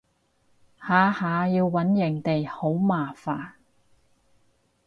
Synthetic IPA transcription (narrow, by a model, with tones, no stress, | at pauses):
haː˨˧haː˨˧jiː˧wːɐ˨˥njɪ˨˩ŋt̪e˨jho˨˥wmaː˨faː˨n